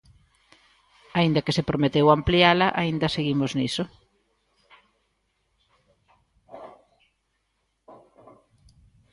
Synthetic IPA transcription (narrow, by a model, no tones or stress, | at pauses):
aind̪ɐkesepɾomet̪ewamplialɐʔaind̪ɐseɣimozniso